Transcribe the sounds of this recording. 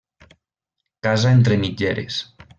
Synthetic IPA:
kazaent̪ɾemid͡ʒeɾḛs

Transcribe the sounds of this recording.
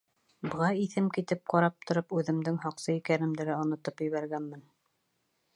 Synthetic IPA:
bɤ̆ʁɑiθɘmkit̪ɘp̚qɑɾɑp̚t̪ŏɾɤpʉðɘ̆md̪ɘŋɦɑqsɤikænɘ̆md̪ɘ̆ɾæŏnŏt̪ɤpjɵ̆βæɾɡænmɘn

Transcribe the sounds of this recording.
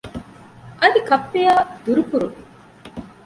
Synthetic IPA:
ʔɐd̪ikɐpːejaːd̪uɾupuɾu

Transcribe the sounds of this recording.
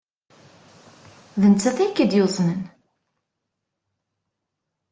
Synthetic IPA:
ðənt͡sːæθækːəd̪jozˤnən

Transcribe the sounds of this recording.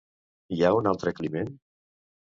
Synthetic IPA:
iaunalˠt̪ɾeklimen

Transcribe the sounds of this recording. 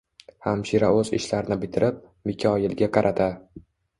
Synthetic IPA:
hamʃiɾaɵzɪ̰ʃlaɾɪnɪbɪt̪ʰɪɾʔɪp̚ | mɪkʲʰɒjɪlɡʲaqʰɑɾʔat̪ʰa

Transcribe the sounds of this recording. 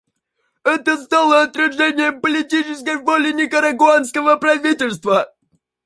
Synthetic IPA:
ɛt̪əst̪alˠəɐt̪ɾʲɪʐɛnʲɪjəpəlʲɪtʲit͡ɕɪskəjvolʲɪnʲɪkəɾəɡʊanskəvəpɾɐvʲitʲɪlʲst̪və

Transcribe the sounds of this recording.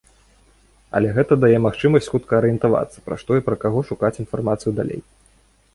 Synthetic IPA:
ɐ̰lʲɛɣɛt̪ɐd̪ajɛmaxt͡ʂɨmɐsʲt͡sʲxut̪kɐɐɾɨjɛnt̪ava̰t̪sɐ̥pɾa̰ʂt̪ɔipɾɐkaɣɔʂukat͡sʲinfarmat̪sɨjud̪a̰lʲḛj

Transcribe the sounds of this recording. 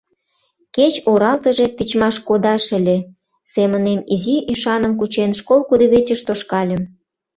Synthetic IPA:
ket͡ɕoɾɑlt̪ə̆ʒe̽pit͡ɕmɑʃkod̪ɑʃə̆lʲe | semənemiziiʃɑnə̆mk̬ut͡ɕenʃkolkud̪ə̆βet͡ɕə̆ʃt̪oʃkɑlʲə̆m

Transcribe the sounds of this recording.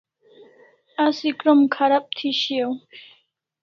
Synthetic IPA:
asikɾɔmkʰaɾap̚t̪ʰiɕiaw

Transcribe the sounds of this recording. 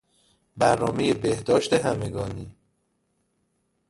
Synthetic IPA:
bæɾnɒːme̞jebehd̪ɒːʃt̪e̞ɦæme̞ɡɒːniː

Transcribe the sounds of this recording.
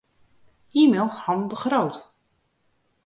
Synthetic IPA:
iːmelˠhɑnˠdəχrowt

